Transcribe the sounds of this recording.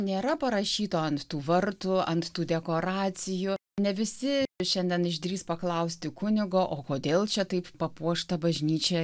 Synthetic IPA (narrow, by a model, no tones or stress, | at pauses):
nʲeːɾɐpɐɾɐʃʲiːt̪oːɐnt̪t̪uːʋɐrt̪ʊɐnt̪t̪uːd̪ʲɛkoːɾɑːsʲɪjʊnʲɛʋʲɪsʲɪʃʲɛnʲd̪ʲɛnɪʒʲd̪ʲɾʲiːspɐklˠɐʊsʲt̪ʲɪkʊnʲɪɡoːʔoːkoːd̪ʲeːlˠt͡ʃʲɛt̪ɐɪppɐpuɔʃt̪ɐbɐʒʲnʲiːt͡ʃʲɛ